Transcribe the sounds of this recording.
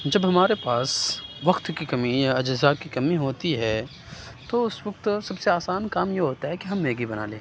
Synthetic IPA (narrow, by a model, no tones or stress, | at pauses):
d͡ʒɐbɦɐmaːɾepaːsʋɐkt̪kikɐmijaɐd͡ʒɪzakikɐmiɦoːt̪iɦɛː | t̪oʊsʋɐk̚t̪sɐbseaːsaːnkaːmjeɦoːt̪aɦɛkiɦɐmːeːɡibɐna̰ːlḛ̃ː